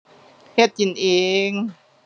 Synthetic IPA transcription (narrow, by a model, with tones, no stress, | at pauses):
he˧˥˩t̪̚t͡ɕi˨˦nʔeː˧ŋ